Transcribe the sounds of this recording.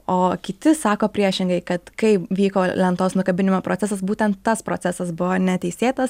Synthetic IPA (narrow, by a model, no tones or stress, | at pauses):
oːkʲɪt̪ʲɪsɑːkoːpʲɾʲiɛʃʲɪŋɡɐɪkɐt̪kɐɪʋʲiːkoːlʲɛnt̪oːsnʊkɐbʲɪnʲɪmoːpɾoːt͡sʲæsɐs̬buːt̪ʲɛnt̪ːɐspɾoːt͡sʲæsɐsbʊʋoːnʲɛt̪ʲɛɪsʲeːt̪ɐs